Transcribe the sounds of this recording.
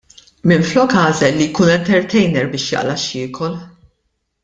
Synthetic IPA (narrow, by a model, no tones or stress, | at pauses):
mɪnflɔkɐːzɛlːijkuːnɛnt̪ɛɾt̪ʰɛjnɛɾbɪːʃjɐ̰ʔlɐʃɪːkʰɔl